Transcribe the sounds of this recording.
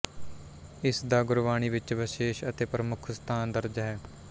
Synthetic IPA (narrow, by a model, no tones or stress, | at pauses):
ɪsd̪aːɡʊɾʋaːɽ̃iːʋɪt͡ʃʋɪʃeːʃət̪eːpɾəmʊkʰst̪ʰaːnd̪əɾd͡ʒɦɛː